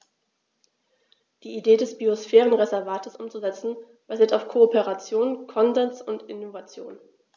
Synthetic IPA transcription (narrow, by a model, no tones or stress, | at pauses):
d̥iːideːdɛsb̥iosfɛːʁənʁezɛɐvaːtʰəsʔʊmt͡suzɛt͡sn̩ | b̥aziːɐtaʊfkʰoopeʁat͡sjoːnkʰɔnzɛnsʊntɪnovat͡sjo̰ːn